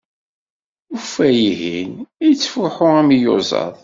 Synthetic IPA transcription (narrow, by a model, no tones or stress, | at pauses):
ufæjiɦinit͡sːfʊħʊæmjʊ̰zˤɑ̰ðˤ